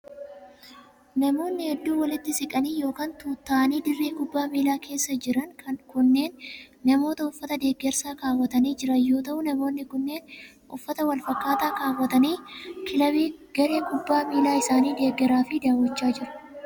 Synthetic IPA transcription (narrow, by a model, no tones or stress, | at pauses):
nɐmo̞ːnːɪhɛd̪ːuːwɐlɪt̪ːɪsɪkʼɐniːjo̞ːkaːnt̪uːt̪ːaːʔɐniːd̪ɪrːeːkʊbːaːmiːlaːkʰe̞ːsːɐd͡ʒɪɾɐŋkʰɐnkʊnːe̞ːnː | ɐmo̞ːt̪ɐʊfːɐt̪ɐd̪e̞ːɡːɛɾsaːkaːwːɐt̪ɐniːd͡ʒɪɾɐjo̞ːt̪ɐʔʊnɐmo̞ːnːɪkʊnːe̞ːn | ʔʊfːɐt̪ɐwɐlfɐkːaːt̪aːkaːwɐt̪ɐniːkɪlɐweːɡ̥ɐɾe̞ːŋkʊbːaːmiːlaːɪsaːniːd̪e̞ːɡːɛɾaːfɪd̪aːwːɐt͡ʃːaːd͡ʒɪɾʊ̥